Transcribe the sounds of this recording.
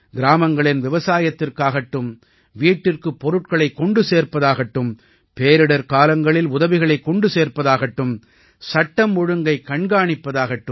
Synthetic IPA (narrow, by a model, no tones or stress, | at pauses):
ɡɪɾaːmɐŋɡɐɭɪnʋɪʋɐsaːjɐt̪ːɪrkaːɣɐʈːɯm | ʋiːʈːɪrkɯpːɔɾɯʈ̚kɐɭɐɪkːɔɳɖɯseːɾpɐðaːɣɐʈːɯm | peːɾɪɽɐɾkaːlɐŋɡɐɭɪlʊðɐʋɪɣɐɭɐɪkːɔɳɖɯseːrpɐðaːɣɐʈːɯm | sɐʈːɐmːɔɻɯŋɡɐɪkːɐɳɡaːɳɪpːɐðaːɣɐʈːɯm